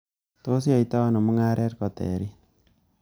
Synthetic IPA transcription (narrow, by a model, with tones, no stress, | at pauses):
to˦s̬i˦a˨i˨ta˦a˦nɔ˨mu˦ŋa˦ɾɛ˦ɾkɔ˨tɛ̰˨ɾi˦